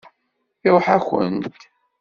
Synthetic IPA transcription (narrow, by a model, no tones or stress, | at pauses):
iɾˤħæçə̰nt̪